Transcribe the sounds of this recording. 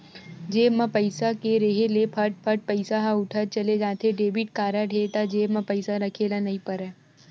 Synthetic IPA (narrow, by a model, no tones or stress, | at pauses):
d͡ʒeːmə̃pəɪsakeɾeɦelepʰəʈ̚pʰəʈ̚pəɪsaɦaʊʈʰət͡ʃəled͡ʒaːt̪ʰeɖeːbiʈ̚kaːɾaʈʰet̪ad͡ʒeːmə̃pəɪsaɾɐkʰeːlanɐĩpəɾɛː